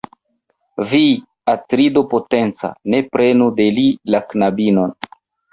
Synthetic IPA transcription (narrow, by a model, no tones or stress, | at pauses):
vi | atɾidopo̞te̞nt͡sa̰ne̞pɾe̞nude̞lilaknabino̞n